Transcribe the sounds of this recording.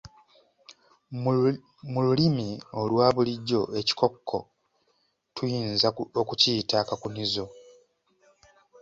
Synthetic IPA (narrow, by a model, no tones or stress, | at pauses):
mululimio̞lwaːβuliɟːo̞e̞ci̥ko̞kʰːo̞̰ | tʰujiːnzaokuciːtakakunizo̞